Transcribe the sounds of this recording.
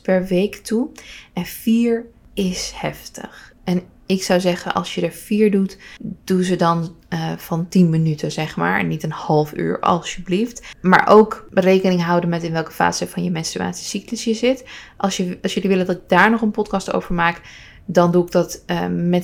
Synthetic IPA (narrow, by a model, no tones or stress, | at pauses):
pɛɹʋejktuɛnfiːɹɪshɛftə̰χʔɛn | ɪksawzɛχənʔɑ̰lˠsjədəɹfiːɹdutd̥uzədɑnv̥ɑntinmənytʰəzɛχma̰ːɹnitənhɑlˠfy̰ːɹɑ̰lˠsəbliftma̰ːɹʔowkrejkənɪŋɦʌwdənmɛtɪnʋɛlˠkə̥fa̰ːzəvɑnjəmɛnsty̰a̰ːtsi̥sikləsjəzɪtʔɑsjəsjɵliʋɪləndɑtɪɡ̚daːɹnɔχənpɔtkɑsto̰wvəɹmaːk | dɑnduɪɡ̚dɑtmɛ